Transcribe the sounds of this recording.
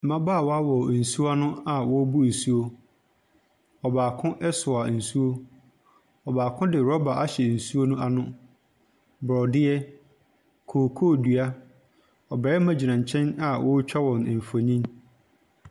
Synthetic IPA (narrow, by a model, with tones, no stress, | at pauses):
m̩˨mã˦ba˨wɔ˦a˦wɔ˨n̩˨su˦a˦nʊ̃˦a˨wɔ˦bu˦˨su˦o˦ | ɔ˨baː˨kʰʊ̃˦ʔɛ˦sʊ˨a˨n̩˨su˦o˦ | ɔ˨baː˨kʰʊ̃˦dɪ˨ɾɔ˦ba˨ʔa˦ɕɛ˨n̩˨su˦o˦nʊ̃˦a˨nʊ̃˦ | bɾɔ˨dɪ˦ɛ˦ | kʰoː˨kʰoː˦˨du˨a˦ | ɔ˨bɛ˨ɛ˦mã˨d͡ʑi˨nã˨ɲ˨t͡ɕʰɛ̃˦na˨wʔɔ˦t͡ɕᶣa˦wɔ̃˨n˨m̩˨fo˨ɲĩ˦n